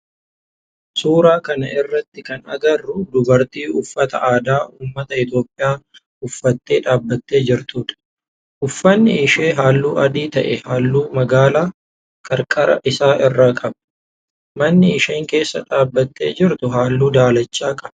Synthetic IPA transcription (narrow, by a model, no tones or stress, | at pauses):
suːɾaːkɐnɐʔɪrːɐt̪ːɪkɐnɐ̰ɡɐrːʊd̪ʊbɐɾt̪iːʊfːɐt̪ɐ̰ʔaːd̪aːʔuːmːɐt̪ɐɪt̪jo̞ːpʼːɪjaː | ʊfːɐt̪ːe̞ːᶑaːbːɐt̪ʼːe̞ːd͡ʒɪɾt̪uːᶑɐ̥ | ʔʊfːɐnːɪɪʃe̞ːɦaːlːuːʔɐd̪iːt̪ɐ̰ʔɛhaːlːuːmɐɡaːlaː | kʰʼɐɾkʼɐɾɐ̰ʔɪsaːʔɪrːaːkʼɐb | mɐnːɪɪʃeːŋke̞ːsːɐᶑaːbːɐt̪ʼːe̞ːd͡ʒɪɾt̪ʊɦaːlːuːd̪aːlɐt͡ʃːaːkʼɐb̥ɐ